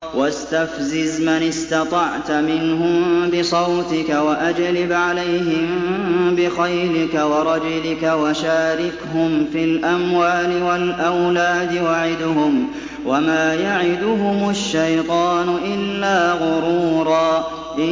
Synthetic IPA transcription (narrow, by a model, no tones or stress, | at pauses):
wast̪afzɪzmanɪst̪ɑt̪ˤɑʕt̪mɪnɦʊmbɪsˤɑwt̪ɪkawaʔad͡ʒlɪbʕalajɦɪmbɪxajlɪkawɑɾˤɑd͡ʒʊlɪkawaʃaːɾɪkɦʊmfilʔamwaːlɪwalʔawlaːd̪ɪwaʕɪd̪hʊm | wamaːjaʕɪd̪ʊɦʊmaʃːajt̪ˤɑːnʊʔɪlːaːɣʊɾuːɾˤɑː | ʔɪ